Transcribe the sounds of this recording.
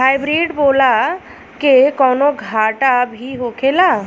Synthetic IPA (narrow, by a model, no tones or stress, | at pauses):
ɦaːɪbɾiːɖboːla | kekɔːnoɡʱaːʈabʱiɦoːkʰelaː